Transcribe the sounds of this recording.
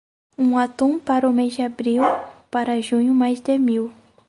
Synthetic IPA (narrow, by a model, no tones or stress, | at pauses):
ũat̪ũpaɾʊmezd͡ʒɪabɾiwpaɾɐʒũɲʊmajzd̪emiw